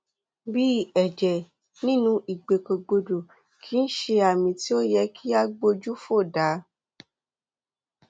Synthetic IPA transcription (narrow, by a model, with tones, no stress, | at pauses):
bi˦˨ɛ˨d͡ʒɛ˨ | nĩ˦nũ˧i˨ɡ͡be˨ko˨ɡ͡bo˨do˨ | kʰi˦n̩˦ʃe˧a˨mĩ˧ti˦o˦jɛ˧kʰi˦a˦ɡ͡bo˧d͡ʒu˦fo˦˨da˨˦